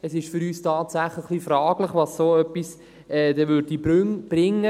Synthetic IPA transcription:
ɛsɪʃfyɾyːstʰɑːtsæχləχχlifɾɑːɡ̥ləχʋɑssoːœpːis | ɛːd̥ɛvʏɾdib̥ɾʏŋb̥ɾɪŋːə

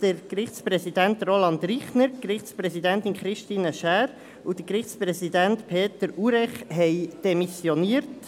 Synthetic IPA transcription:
d̪̥əɾkɾɪχtspɾɛsid̪æntrolɑnd̪ɾiχnəɾkɾɪχtt͡spɾɛsidænt̪inχɾɪʃtiːnəʃæːɾ | ud̥̪əkɾɪχt͡spɾɛsidæntpʰeːt̪əɾuɾɛχɦɛɪd̥ɛmisjoniəɾt

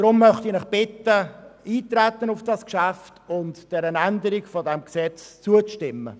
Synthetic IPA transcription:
d̥ɾʊmːœχtinɛχb̥ɪtəiːtrɛtːənʊfd̥ɑskʃæftʊntd̥ɛɾənændəɾikfɔdɛmksɛt͡st͡suət͡stɪmːə̰

